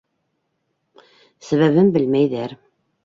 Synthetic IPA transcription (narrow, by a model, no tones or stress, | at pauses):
sæβæβɘnbɘ̆lmæjðæɾ